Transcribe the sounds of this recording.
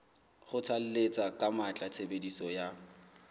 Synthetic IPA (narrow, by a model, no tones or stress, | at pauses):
χʊt͡sʰal̩let͡sʼakʼamat͡ɬʼat͡sʰebedisɔja